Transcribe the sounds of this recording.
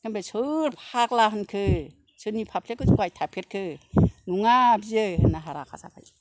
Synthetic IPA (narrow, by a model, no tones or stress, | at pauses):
kɯnbesʰɯɾpʰaklaɦɯnkʰɯ | sʰɯnipʰapʰlekʰɯzkuajtʰapʰeɾ̚kʰɯnuŋabiɯhɯnːaɦaɾa̰kʰa̰sa̰pʰa̰j